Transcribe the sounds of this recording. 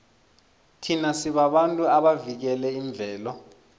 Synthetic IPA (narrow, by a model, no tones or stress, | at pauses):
tʰinasiɓaɓantʼuaɓavik̬ɛlɛiɱb̪vʱɛːlɔ